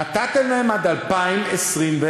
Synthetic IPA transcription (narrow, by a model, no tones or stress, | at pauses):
at̪at̪elnemad̪alpaimesʁimve